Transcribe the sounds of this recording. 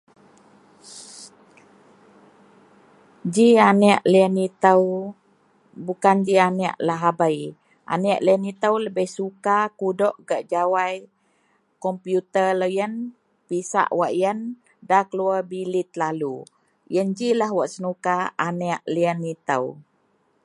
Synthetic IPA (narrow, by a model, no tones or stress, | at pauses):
d͡ʒianɛʔləənit̪əw | bukand͡ʒianɛʔlaɦabaj | ʔa̰nɛʔləənit̪əwləbəhsukakudɔʔɡaʔd͡ʒawaj | kɔmpjut̪ərləjən | pisa̰ʔwaʔjən | dakəluəbilit̪̚lalu | jənd͡ʒilaɦwaʔsənukaanɛʔləənit̪ə̰w